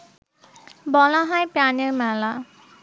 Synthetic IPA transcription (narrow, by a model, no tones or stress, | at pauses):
bɔlaɦajpjanimala